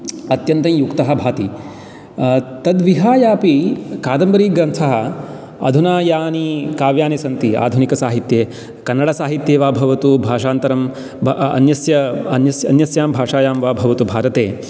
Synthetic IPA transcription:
ɐt̪jɐnt̪ɐ̃j̃jukt̪ɐɦɐ̆bʱaːt̪i | t̪ɐd̪ʋiɦaːjaːpikaːd̪ɐmbɐɾiːɡɾɐnt̪ʰɐɦɐ | ɐ̰d̪ʱunaːjaːnikaːʋjaːnesɐnt̪ia̰ːd̪ʱunikɐsaːɦit̪jeː | kɐnːɐɽɐsaːɦit̪jeːʋaːbʱɐʋɐt̪ubʱaːʂaːnt̪ɐɾɐm | ɐ̰njɐsjɐɐnjɐsjɐ̰njɐsjaːmbʱaːʂaːjaːmʋaːbʱɐʋɐt̪ubʱaːɾɐt̪eː

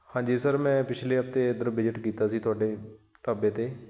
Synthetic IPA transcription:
hãːɲd͡ʒiːsəɾmɛ̃ːpɪt͡ʃʰleːəp̚t̪eːd̪əɾbɪd͡ʒɪʈkiːt̪aːsiːt̪ʊaːɖeː | ʈaːbeːt̪eː

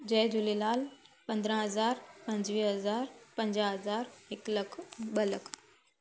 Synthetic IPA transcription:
d͡ʑɐːd͡ʑʊlelaːlpɐ̃nd̪ɾə̃ɦɐzaːɾpɐ̃ɲd͡ʑʋiːɦɐzaːɾpɐ̃ɲd͡ʑaɦɐzaːɾɦɪklɐkʰɓəlɐkʰ

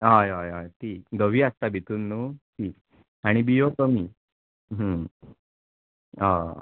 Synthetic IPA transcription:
ɦajajajt̪iːkd̪əʋiːast̪abʱit̪uːnːuːt̪ʰiːk | aɽ̃ibijot̪əmiː | ɦə̃ | a̰

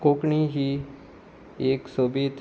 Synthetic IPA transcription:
koːkɳiɦi | eːksobiːt̪

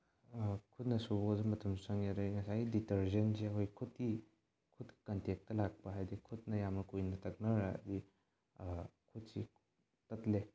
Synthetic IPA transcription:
kʰut̚nɐsuozemɐtʰɐmsu̥sɐŋjaɾajŋɐsajɡiditɐɾzɐnseɐkʰojkʰut̚ki | kʰut̚ki̥kɐntek̚tːɐlak̚pɐɦajdikʰut̚nɐjamnɐkujnɐtɐk̚nɐɾa̰di | kʰut̚si | tɐtle

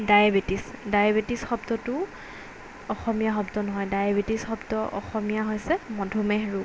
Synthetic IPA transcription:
dajabetisdajabetisxɔbtɔtʊ | ɔxɔmijaxɔbtɔnɔɦɔjdajabetisxɔbtɔʔɔ̰xɔmijaɦojsɛmɔdʱumɛɦeɹu

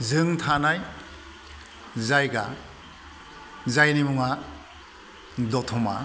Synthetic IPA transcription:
zɯŋtʰanaj | zajɡa | zajnimuŋa | dɔtʰɔma̰

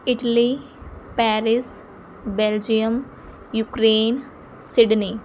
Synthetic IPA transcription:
ɪʈəli | pɛːɾɪs | beld͡ʒijəm | jukɾeːn | sɪɖni

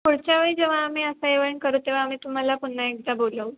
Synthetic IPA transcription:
puɽt͡ɕjaʋəɭiːd͡ʑeʋ̤aːmiːəsaeʋəɳkəɾut̪eʋaːmiːt̪um̤alapuɳnːaek̚d̪aboləw

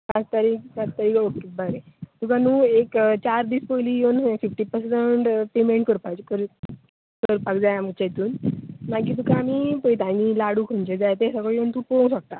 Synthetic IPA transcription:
kãt͡st̪aɾiːk̚kãt͡st̪aɾiːkokːebəɾet̪ukʰãnuːekt͡ɕaɾd̪iːspojlijonfifʈipəɾseɳʈpemẽɳʈkəɾpat͡ɕkəɾ | kəɾpakd͡zajam̤ət͡ɕajt̪uːnnak̬iːt̪̬ukʰãːmiːpəjt̪ãnilaɽuːkʰont͡ɕed͡zajt̪esakəɭjont̪uːpoŋsak̚t̪a

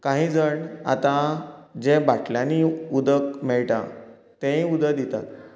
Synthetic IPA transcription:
kãɦĩd͡zəɳa̰t̪ãd͡ʑẽbaʈʰljãniud̪əkmeɭʈã̰ | t̪ẽĩud̪əd̪it̪a̰t̪

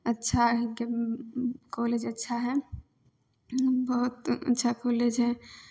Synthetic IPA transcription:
ɐtːʃʰaɦke | koːleːd͡ʒɐtːʃʰaɦɛ | bɔɦʊt̪ɐ̰tːʃʰakoːleːd͡ʒɦɛ

